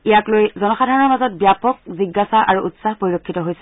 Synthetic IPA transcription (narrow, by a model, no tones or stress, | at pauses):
ijaklojzɔnɔxadʱaɹɔnɔɹmazɔt̚bjapɔkziɡːasaʔaɹuʔutsaɦpoɹiɹokʰːitɔɦojsɛ